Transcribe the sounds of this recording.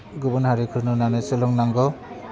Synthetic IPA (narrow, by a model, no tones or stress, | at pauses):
ɡubɔnhaɾikʰɯɾnɯnanɯsɯlɔŋnaŋɡɔ